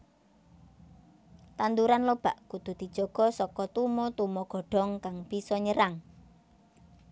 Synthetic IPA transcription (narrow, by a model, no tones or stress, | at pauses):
t̪and̪uɾanlob̥aʔkud̪̥ṳd̪̥i̤d̥ʒ̥ɔ̤ɡ̥ɔ̤sɔkɔt̪umɔt̪umɔɡ̥ɔ̤ɖ̥ɔ̤ŋkaŋb̥isɔɲəɾaŋ